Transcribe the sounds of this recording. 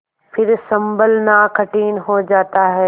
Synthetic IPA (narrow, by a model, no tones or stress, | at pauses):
pʰɪɾsɐ̃mbəlnakʰɐʈiːnɦod͡ʑaːt̪aɦɛː